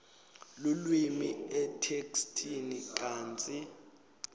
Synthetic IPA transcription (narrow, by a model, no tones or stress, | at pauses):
lulwimiɛtʰekstʰinikʼaːnt͡sʼi